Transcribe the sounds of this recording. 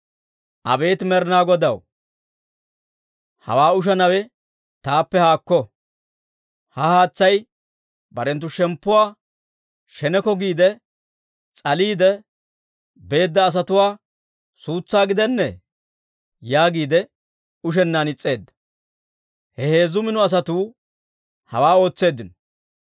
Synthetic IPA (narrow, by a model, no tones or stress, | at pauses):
ʔɐ̰be̞ːt̪mɛɾnaːɡɔd̪ɐw | hɐ̰waːʊʃ̬ɐnɐwɛ | t̪aːpːɛhaːkːɔ | hɐhaːt͡sːɐj | bɐɾɛnt̪̬ːʊʃɛmpːʊwaː | ʃɛnɛkɔɡiːd̪ɛ | t͡sʼɐliːd̪ɛ | be̞ːd̪ːɐːs̬ɐt̪ʊwaː | suːt͡sːaːɡɪd̪ɛnːɛ | jaːɡiːd̪ɛ | ʊʃ̬ɛnːanɪt͡sʼːe̞ːd̪ːɐ̥ | hɛhe̞ːzʊmɪnʊɐs̬ɐt̪uː | hɐ̰waːo̞ːt͡sːe̞ːd̪ːɪnɔ